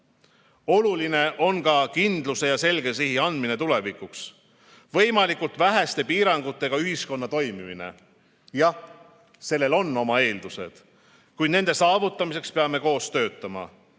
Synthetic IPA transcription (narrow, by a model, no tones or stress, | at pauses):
o̞luline̞ʔo̞nkɑkind̪luse̞jɑse̞lɡ̥e̞s̬iɦiɑnd̪̥mine̞t̪ule̞vikuks | vɤ̞jmɑlikult̪væɦæst̪e̞piːɾɑŋɡ̥ut̪ːˑe̞ɡ̥ɑyhisko̞nːɑt̪o̞jmimine̞̰ | jɑ | se̞lːe̞lo̞nːo̞mɑe̞ːld̪use̞̰d̪̥ | kujd̪ne̞nd̪e̞sɑːvut̪ːˑɑmise̞kspe̞ɑme̞ko̞ːst̪ø̞ːt̪ːˑɑmɑ̰